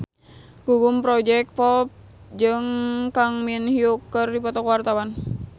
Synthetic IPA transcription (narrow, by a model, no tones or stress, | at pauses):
ɡ̥uɡumpɾɔd͡ʒɛk̪̚pɔp̚d͡ʒɨŋkaŋminhiukːərdipɔt̪ɔkwart̪awan